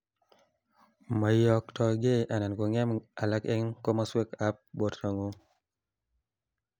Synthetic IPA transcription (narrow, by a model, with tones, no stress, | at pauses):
ma˨jɔ˨k̚tɔ˨ɡe˦ʔa˨na˨nko˨ŋɛ˦ma˨la˦kɛ˦ŋko˦ma˦swe˦ka˦p̚bo˨tɾa˨ŋo˦